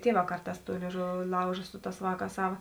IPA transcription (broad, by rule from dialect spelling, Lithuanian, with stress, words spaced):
ˈtʲiɛˌʋɑː ˈkɐrˌtɑːs ˈtuː lʲeːɪˈʒʊʋʲɪ ˈlˠɐʊʒɐ ˈsʊ ˈtɑːs ˈʋɑːˌkɑːs ˈsɑːʋɐ